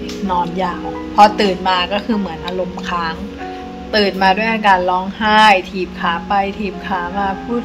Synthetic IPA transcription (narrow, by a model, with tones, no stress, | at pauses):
nɔː˧njaː˨˩w | pʰɔ˧t̪ɯː˨˩n̚maː˧kɔː˥˩kʰɯː˧mɯ˩˦ənʔaː˧ɾo˧mkʰaː˦˥ŋ | t̪ɯː˨˩t̪̚maː˧du˥˩əjʔaː˧kaː˧nlɔː˦˥ŋhaː˥˩jt̪ʰiː˨˩p̚kʰaː˩˦pa˧jt̪ʰiː˨˩p̚kʰaː˩˦maː˧pʰuː˥˩t̪̚